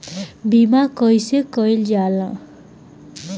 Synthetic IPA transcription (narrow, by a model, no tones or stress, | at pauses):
bimakʌjsekʌjld͡ʒalã̰